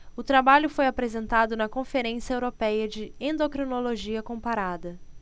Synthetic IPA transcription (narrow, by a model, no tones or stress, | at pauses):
ʊt̪ɾabaʎʊfojapɾezẽnt̪ad̪ʊnɐkõfeɾẽsjɐewɾopɛjɐd͡ʒɪẽnd̪okɾinoloʒiɐkõpaɾad̪ɐ